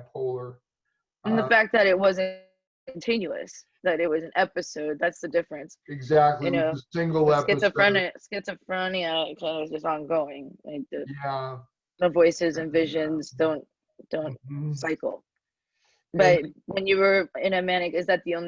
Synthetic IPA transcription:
pʰuɹ | ɨ̃nðəfæk̚ðɨɾɪt̚wʌzɨ̃ | kʰn̩tʰɪ̃njʉɨ̰s | ðɨɾɨt̚wʌzɨ̃n̩ɛpɨsoʊd̪̚ðætsðɨdɪfɹɨ̃nsɨɡzæk̚tˡljɨnoʊɪ̃ŋɡl̩ˠɛskɛsɨfɹõʊniskɛtsɨfɹõʊ̃niɨkʰãɪ̃nwʌzd͡ʒʌstn̩ɡoʊɪ̃ŋla̰ɪk̚ðɨjæ | məvɔɪsɨzɨ̃nvɪʒɨ̃nzdõʊ̃n | d̥õʊ̃ntsaɪkl̩ˠ | b̥ʌt̚wɨ̃njɨwə˞ɪ̃ñɨmæɾ̃ɨkɨzðɨt̪̚ðiõʊ̃n

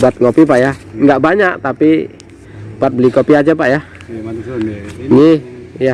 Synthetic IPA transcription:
bat̪̚ŋopipaʔjaŋɡaʔbaɲaʔt̪api | b̥at̪̚bəlikopiad͡ʒapaʔja | ɲija

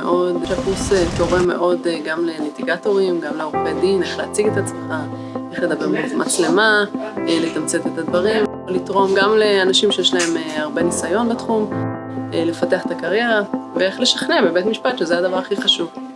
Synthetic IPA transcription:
ḛʔo̞dafuseto̞ʁeme̞̰ʔo̞dɡamle̞litiɡato̞ʁimɡamleʁopedine̞χleat͡siɡetat͡smeχa | eχle̞d̪abeʁmezmat͡sle̞maele̞tamt͡se̞t̪etad̪vaʁim | olitʁo̞mɡamle̞anaʃimʃejeʃlae̞meaʁbe̞nisajo̞nbetχum | ele̞fateaχet̪akaʁje̞ʁavee̞χle̞ʃḁχne̞bebetmiʃpat̪ʃezejad̪avaʁaχiχaʃuv

